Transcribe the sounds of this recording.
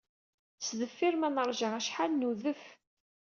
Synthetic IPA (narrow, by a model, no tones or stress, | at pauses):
t͡sðəfːiɾmænəɾˤʒaæʃħalnuðəf